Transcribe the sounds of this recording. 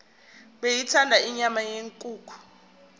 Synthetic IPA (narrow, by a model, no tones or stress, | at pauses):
ɓejitʰandʱaiɲamajeŋkʼuːkʰu̥